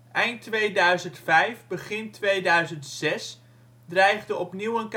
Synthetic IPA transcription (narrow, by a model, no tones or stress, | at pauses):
ʔɛjntʋejdœɥzəntfɛjvbəχɪntʋejdœɥzəntsɛs | drɛjχdəɔpniwənk